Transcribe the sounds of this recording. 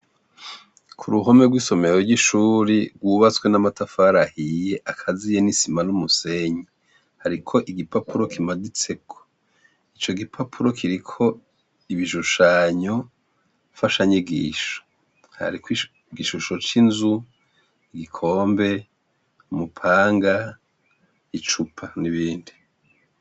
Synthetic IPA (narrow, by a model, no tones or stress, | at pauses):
kʰuɾuɦo̞me̞ɡwiːso̞me̞ɾoɾɡiʃuɾiɾɡwuːβat͡skwe̞namatafaɾahije̞ʔakʰazijenisimanumuse̞ɲi | haɾikʰo̞ʔiɡipapuɾo̞kʰimadit͡se̞kʰo̥ | it͡ʃo̞ɡipʰapʰuɾo̞kʰiɾikʰo̞ | iβiʃuʃaɲo̞ | faʃaɲiɡḭːʃo̥ | ha̰ɾikwi | ɡiʃuʃo̞t͡ʃinzu | iɡikʰo̞ːmbe̞ | umupʰaːŋɡa | it͡ʃupʰaniβiːndi